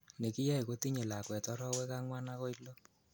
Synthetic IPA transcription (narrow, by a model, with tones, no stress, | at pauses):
ne˨ki˦ja˦i˨ko˦ti˦ɲe˨la˨kwɛ˨tɔ˦ɾɔ˦wɛ˦ka˦ŋwa˦na˦kɔ˦ilo˦